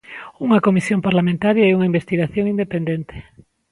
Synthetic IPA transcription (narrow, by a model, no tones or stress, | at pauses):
uŋɐkomisjompaɾlamẽnt̪aɾjaɛuŋaimbest̪iɣaθjoŋind̪epend̪ent̪e̥